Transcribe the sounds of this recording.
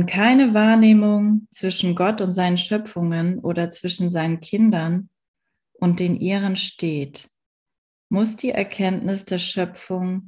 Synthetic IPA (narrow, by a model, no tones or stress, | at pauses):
nkʰaɪnəvaːɐneːmʊŋt͡sv̥ɪʃn̩ɡɔtʊntz̥aɪnənʃœpfʊŋənʔoːdɐt͡sv̥ɪʃn̩zaɪnənkʰɪndɐn | ʔʊnt̚d̥eːnʔiːʁ̞ənʃteːt | mʊsd̥iːʔɛɐkʰɛntnɪsd̥eːɐʃœpp͡fʊŋ